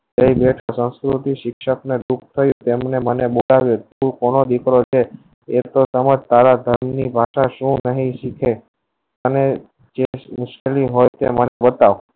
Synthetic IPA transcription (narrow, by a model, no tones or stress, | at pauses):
t̪əibeʈʰosə̃nskɾut̪iʃɪkʃəkned̪ukʰt̪ʰəjũt̪emnemənebolaʋjet̪uɾkonod̪ikɾot͡ʃʰeː | t̪osəməd͡ʒt̪aɾad̪ʱəɾmnibʱaʃaʃũnəɦĩʃikʰe | əne | d͡ʒemʊʃkeliɦojt̪ḛmənebət̪aʋ